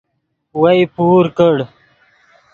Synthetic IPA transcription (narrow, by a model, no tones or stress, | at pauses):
wɐjpuːɾkəɽ